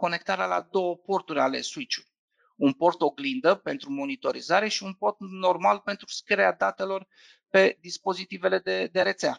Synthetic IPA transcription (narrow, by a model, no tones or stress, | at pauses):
ko̞ne̞k̚t̪aɾala̰d̪o̞wəpo̞rt̪uɾʲale̞̰suit͡ʃu̥ | unpo̞rt̪o̞ɡlind̪əpe̞nt̪ɾumo̞nit̪o̞ɾḭzaɾe̞ʃiunpo̞rt̪no̞rmalpe̞nt̪ɾuskəɾead̪at̪e̞lo̞r | pe̞d̪ispo̞zit̪ive̞le̞d̪ed̪e̞ɾet̪sea